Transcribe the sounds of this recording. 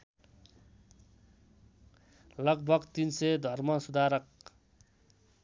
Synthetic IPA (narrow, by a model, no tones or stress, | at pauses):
lʌɡ̚bʱʌɡt̪insʌd̪ʱʌrmʌsud̪ʱaɾʌk̚